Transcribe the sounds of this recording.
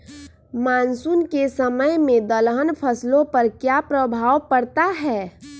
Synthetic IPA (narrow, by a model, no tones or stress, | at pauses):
maːnsunkesəməjmẽd̪əlɦənpʰəslõpəɾkjapɾəbʱaːʋpəɾt̪aɦɛː